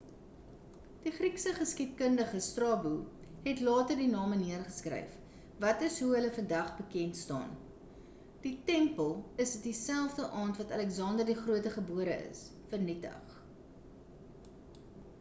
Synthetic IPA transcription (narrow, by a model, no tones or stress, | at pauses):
d̥iχriksəχəskitkəndəχəstrɑːbu | ɦɛtlɑːtərdinɑːməniərχəskrɛ̰jf | vɐtəsɦuɦələfəndɐχbəkɛntstɑ̰ːn | d̥itɛmpəlˠəsətdisælˠfdəʔɑːntvɐtɐlɛksɑːndərdiχruətəχəbuəɾə̰ʔə̰s | fərnitə̰χ